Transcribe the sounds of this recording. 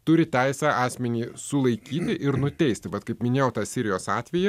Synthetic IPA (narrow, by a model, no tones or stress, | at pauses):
t̪ʊɾʲɪt̪ʲæɪsʲæːʔɑːsʲmʲɛnʲiːsʊlˠɐɪkʲiːt̪ʲɪʔɪɾnʊt̪ʲɛɪsʲt̪ʲɪʋɐt̪kɐɪpmʲɪnʲeːjɛʊt̪ɑːsʲɪɾʲɪjoːsɑːt̪ʲʋʲɛjɛ